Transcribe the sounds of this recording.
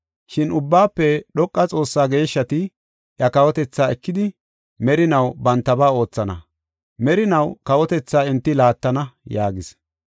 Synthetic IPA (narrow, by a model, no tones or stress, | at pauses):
ʃɪnʊbːaːpːɛɗɔkʼːɐt͡sʼo̞ːsːaːɡe̞ːʃːɐt̪ɪ | ʔjɐkɐwɔt̪ɛt͡sːaːɛkːɪd̪ɪ | mɛɾɪnɐwbɐnt̪ːɐbaːo̞ːt͡sːɐnɐ̰ | mɛɾɪnɐwkɐwɔt̪ɛt͡sːaːɪnt̪ːɪlaːt̪ːɐnɐjaːɡɪs